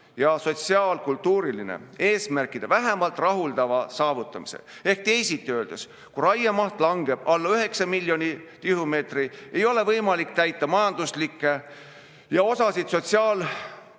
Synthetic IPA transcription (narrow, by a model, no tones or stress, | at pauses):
jɑso̞t̪ʲsiɑːlkult̪ːuːɾilinḛe̞ːsmærkːˑid̪̥evæɦæmɑlt̪ːˑrɑɦuld̪ɑvɑsɑːvut̪ːˑɑmisḛ | e̞hk̚t̪e̞jsit̪ːˑiøːld̪es | kurɑjːemɑht̪lɑŋɡ̥e̞b̥ɑlːɑyɦe̞ksɑmilʲːjo̞nʲit̪iɦume̞ːt̪rie̞jo̞le̞vɤjmɑlikt̪æjt̪ːˑɑmɑjɑnd̪uslikːˑe̞ | jɑo̞sɑsid̪̥so̞t̪ʲsiɑːl